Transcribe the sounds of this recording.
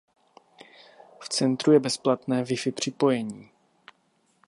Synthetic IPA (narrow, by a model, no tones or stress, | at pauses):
ft͡sɛnt̪ɾujɛbɛsplat̪nɛːvɪfɪpr̝̥ɪpo̞jɛɲiː